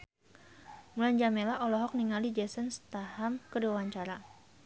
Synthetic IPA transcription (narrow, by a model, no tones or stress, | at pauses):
muland͡ʒamelaʔɔlɔɦɔk̚niŋalid͡ʒɛsənst̪ahamkəduawaɲt͡ʃaɾa